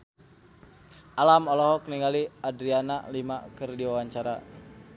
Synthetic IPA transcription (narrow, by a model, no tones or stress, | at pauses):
ʔalamɔlɔɦɔk̚niŋaliadɾiana̰limakərdiwawaɲt͡ʃaɾa̰